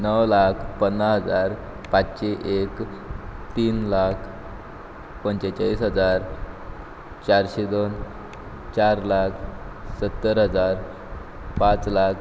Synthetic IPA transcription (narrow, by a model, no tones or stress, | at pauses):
nəwlakʰpənːəɦəd͡zaɾ | pat͡sɕeʔek | t̪iːnlakʰ | pəɲt͡ɕet͡ɕaisɦəd͡zaɾ | t͡ɕaɾɕed̪on | t͡ɕaɾlakʰsət̪ːəɾɦəd͡zaɾ | pat͡slak